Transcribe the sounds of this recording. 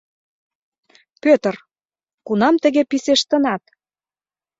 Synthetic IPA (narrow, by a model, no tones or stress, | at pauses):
pøt̪ə̆r | kunɑmt̪ə̆ɣepiseʃt̪ə̆nɑt̪̚